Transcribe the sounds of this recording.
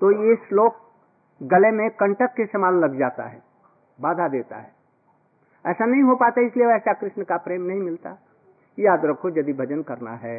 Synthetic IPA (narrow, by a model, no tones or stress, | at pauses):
t̪ojeɪsloːɡ | ɡɐlemẽkɐ̃ɳʈəkːesɐmaːllɐɡd͡ʒaːt̪a̰ɦɛ̰ː | baːd̪ʱad̪eːt̪a̰ɦɛː | ɛːsanɐɦĩɦopaːt̪aɪslieɛːsakɾɪʃnəkapɾeːmnɐɦĩmɪlt̪a̰ | jaːd̪ɾɐkʰod͡ʒɐd̪ibʱɐd͡ʒənkɐɾna̰ɦɛː